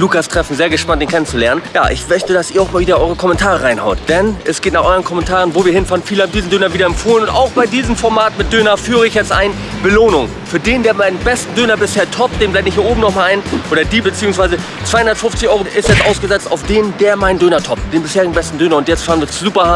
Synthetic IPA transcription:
luːkastʁ̥ɛfn̩zeːɐɡəʃpantd̥eːnŋkʰɛnənt͡sulɛɐnənja̰ːʔɪ̰çmœçtədasʔiːɐaʊxmaːlviːdɐʔɔʏʁəkʰɔmɛntʰaːʁəʁaɪnha̰ʊtd̥ɛnʔɛsɡ̥eːtnaːχʔɔʏʁənkʰɔmɛntʰaːʁənvoːviːɐhɪnfaːʁənfiːləhaːb̩mdiːzn̩døːnɐviːdɐɛmfoːlənʊnta̰ʊxb̥aɪdiːzəmfɔɐmaːtmɪt̚d̥øːnɐfyːʁəɪçjɛt͡stʔa̰ɪn | b̥əloːnʊŋ | fyːɐdeːndeːɐmaɪnənbɛstn̩døːnɐbɪsheːɐtʰɔp̚t̚d̥eːmblaɪtnɪçhiːɐoːbm̩nɔχmalʔaɪnʔoːɾɐdiːbət͡siːʊŋsv̥aɪzə | t͡sv̥aɪhʊndɐtfʊft͡sɪçʔɔʏʁoʔɪstjɛt͡stʔaʊsɡ̥əzɛt͡sta̰ʊfd̥eːndeːɐmaɪnəndøːnɐtʰɔp̚t̚d̥eːnbɪsheːɐʁɪɡŋ̩bɛstn̩døːnɐʊntjɛt͡stfaːʁɐn̩viːɐt͡sːzuːpɐha

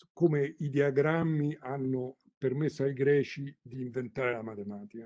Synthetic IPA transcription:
komeid̪iaɡɾamːianːʊ | permesːoaiɡɾɛːt͡ʃid̪iːɱvent̪aːɾelamat̪emaːt̪ika

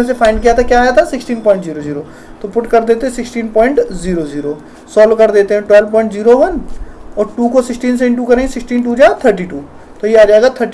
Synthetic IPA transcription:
ẽsepʰaːɪ̃nɖkijat̪ʰakjaːjat̪ʰasɪksʈiːnpɔ̃ːɪɳʈziːɾoziːɾoː | t̪opʊʈkɐɾd̪eːt̪eɦɛ̃sɪksʈiːnpɔ̃ːɪ̃ɳʈziːɾoziːɾo | sɔːlkɐɾd̪eːt̪eɦɛ̃ʈwɛːlpɔ̃ːɪ̃ɳʈziːɾoʋɐnɔːɾʈuːkosɪksʈiːns̬ẽɳʈ̬uːkɐɾẽĩsɪksʈiːnʈ̬uːd͡ʒaːt̪ʰəɾʈ̬iːʈuː | t̪ojeaːd͡ʒaːɡat̪ʰəɾʈ

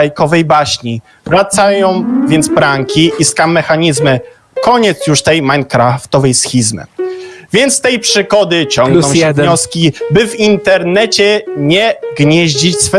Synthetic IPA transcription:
ajkɔvɛjbaɕɲi | vɾat̪sajɔ̃w̃vʲjɛnd̪zbɾaŋkʲiʔiskamːɛxaɲizmɘ | kɔɲɛt̪sjuʂt̪ɛjmaŋkɾaft̪ɔvɛjsxʲizmɘ̰vʲjɛnt̪st̪ɛjpʂɘɡɔd̪ɘt͡ɕɔ̃ŋɡnɔ̃ɛvɲɔskʲibɘvint̪ɛɾnɛt͡ɕɛɲɛɡɲɛʑd͡ʑit͡ɕsfɛ

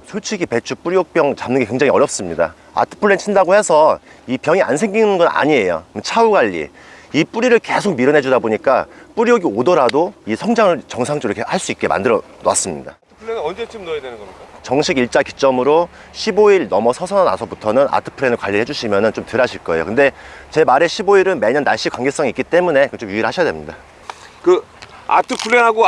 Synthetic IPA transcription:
sʰoɭt͡ɕʰiɡipe̞t͡ɕʰup͈uɾiok̚p͈jʌŋt͡ɕamnɯnɡeke̞ŋd͡ʑaŋiʌɾjʌp̚s͈ɯmɲida̰ | a̰tʰɯ̥pʰɯɭːent͡ɕʰindaɡohe̞sʰʌ | ipjʌŋia̰nsʰe̞ŋɡinɯnɡʌna̰ɲie̞jo̰t͡ɕʰauɡaʎːḭ | ip͈uɾiɾɯɭkesʰok̚miɾʌnɦe̞d͡ʑudaboɲik͈ap͈uɾioɡiodoɾadoisʰʌŋd͡ʑaŋɯɭt͡ɕʌŋsʰaŋt͡ɕ͈ɾikʰehaɭs͈uik͈̚e̞ma̰ndɯɾʌnoa̰s͈ɯmɲḭda̰ | ɯpʰɯɭːenɯnʌnd͡ʑet͡ɕomnojadwenɯnɡʌɾt͡ɕʌŋɕʰiɡiɭt͡ɕ͈aki̥t͡ɕ͈ʌmɯɾo | ɕʰiboiɭnʌmʌsʰʌsʰʌna̰sʰʌbutʰʌnɯna̰tʰɯ̥pʰɯɾenɯɭkwaʎːiɾhe̞d͡ʑuɕʰimjʌnɯnt͡ɕomtɯɾaɕʰiɭk͈ʌe̞̰jo̰kɯnde̞t͡ɕe̞maɾe̞ɕʰiboiɾɯnme̞ɲʌnːa̰ɭɕ͈ikwaŋɡe̞s͈ʌŋik͈it͈e̞mune̞kɯt͡ɕomjuiɾɭhaɕʰjadwemɲida | kɯ | a̰tʰɯpʰuɭːeɦaɡo

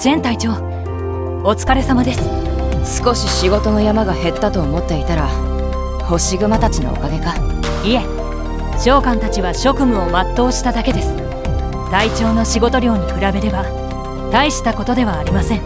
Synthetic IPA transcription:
z̥ẽ̞nt̪ait͡ɕo̞ː | ot͡sɨ̥kaɾe̞samad̪e̞sɨ̥ | sɨ̥ko̞ɕiɕiɡo̞t̪o̞no̞jamaɡahe̞t̪ːat̪o̞ːmo̞t̪ːe̞it̪aɾa | ho̞ɕiɡɯ̟mat̪at͡ɕino̰o̰kaɡe̞ka | ie̞ | ɕo̞ːkãnt̪at͡ɕiβaɕo̞kɯ̟mɯ̟o̞mat̪ːo̞ːɕi̥t̪ad̪ake̞d̪e̞sɨ̥ | t̪ait͡ɕo̞ːno̞ɕiɡo̞t̪o̞ɾʲo̞ːɲ̟ikɯɾabe̞ɾe̞ba | t̪aiɕi̥t̪ako̞t̪o̞d̪e̞β̞aːɾʲimasẽ̞ŋ

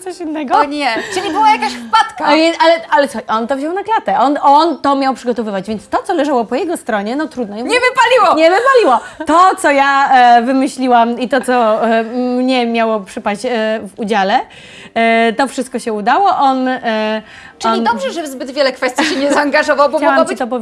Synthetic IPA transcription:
t̪sɔɕinːɛɡɔɲɛt͡ʂɨlʲibɨwajakaɕfpat̪kaalɛalɛt̪sɔɔnt̪ɔvʑɔwnaklat̪ɛʔɔnɔnt̪ɔmʲjawpʂɘɡɔt̪ɔvɘvad͡ʑvʲjeɛntst̪ɔt̪sɔlɛʐawɔpɔjɛɡɔst̪ɾɔɲɛnɔt̪ɾud̪̚nɔjɔɲɛvɨpalʲiwɔɲɛvɘpalʲiwɔt̪ɔt̪sɔjavɘmɘɕlʲiwamit̪ɔt̪sɔ | mɲɛmʲjawɔpʂɘpaɕt͡ɕvud͡ʑalɛ | t̪ɔfʂɨst̪̚kɔɕɛud̪awɔʔɔn | ʈ͡ʂɔindɔbʐɛʐɛbzbɘd̪vʲjɛlɛkfɛst̪iɕɛɲɛzaːŋɡaʐɔvawbɔt͡ɕaaambt̪ɔpɔv

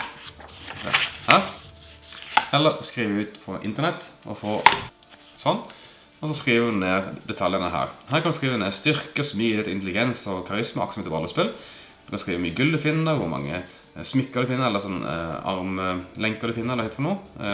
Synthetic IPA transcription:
ɛ̰hæːɾ | ɛlːəɾskɾiːʋəʉːt̪pʰɔʔɪ̰nt̪əɾnɛt̪ːʔɔ̰foː | sɔnː | ɔs̬ɔskɾiːʋəəneːɾd̪ɛt̪ʰɑljənəɦæ̰ːɾɦæːɾkʰɑnskɾiːʋəneːɾst̪ʏɾkəsmyːɛːt̪ɪnt̪əlɪɡɛnsɔkʰɑʁɪsməʔɑ̰ksmɪt̪ːəʋɑləspɪl | d̪̥ʉkɑnskɾiːʋəmyːəɡʉld̪ʉfɪnːəɾʋʊɾmɑ̰ŋːə̰ | smɪkːəd̪ʉfɪnːəɾɛlːəɾsɔnːɑ̰ɾməlɛŋkəd̪ʉfɪnːəɛləɾɪt̪fɔnuː

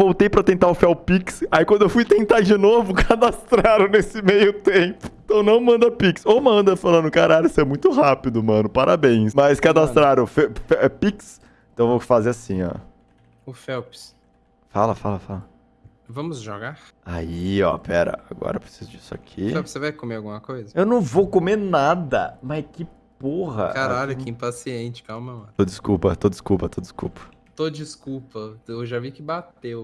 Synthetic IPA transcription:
vowt̪ejpɾɐt̪ẽnt̪aʊfɛwpiksaikwɐ̃d̪ʊewfujt̪ẽnt̪ad͡ʒinovʊkʰad̪ast̪ɾaɾɐ̃w̃nesɪmejʊt̪ẽpʊ̥ẽt̪ɐ̃w̃nɐ̃w̃mɐ̃nd̪ɐpiksomɐ̃nd̪ɐfalɐ̃nd̪ʊkaɾaʎʊisʊɛmũj̃t̪ʊɦapid̪ʊmɐ̃nʊpaɾʔabẽj̃smɐskad̪ast̪ɾaɾɐ̃fɛfɛɛpiks | ẽt̪ɐ̃w̃vowfazeasĩɔ̰ | ʊfɛwps | falɐfalɐfalɐ | vɐ̃mʊzʒoɡaɾ | aiɔ̰pɛɾɐ̰aɡɔ̰ɾɐpɾe̥sizʊd͡ʒisʊa̰kʰifɛwpsevajkomeɾawɡũmɐkojzɐewnɐ̃w̃vokomenad̪ɐmɐkɪ | poɦɐ̰kaɾaʎʊkɪĩpasiẽt͡ʃɪ̥kawmɐmɐt̪od͡ʒɪskupɐt̪od͡ʒɪskupɐt̪od͡ʒɪ̥skṵpɐ̥ | t̪od͡ʒiskuwpɐewʒavikɪbat̪ew

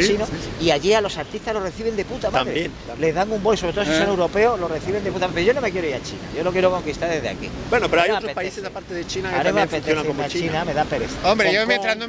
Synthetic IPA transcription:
t͡ʃinoiaʝialo̞saɾt̪it̪azlo̞reθiβe̞nd̪e̞put̪amamðɾeen | le̞zðaŋumbojsoβet̪osisone̞wɾo̞pe̞olo̞reθiβe̞nd̪eput̪amapeoʝo̞no̞me̞kje̞ɾo̞iɾat͡ʃḭna̰ʝo̞lo̞kjeɾoko̞ŋkist̪aɾðezðea̰kḭbwenopeɾoajot̪ɾspaisesapaɾt̪eðet͡ʃinakmemeapet̪ejonaomat͡ʃt͡ʃinameðape̞ɾeθaombɾejomẽnt̪ɾand̪o

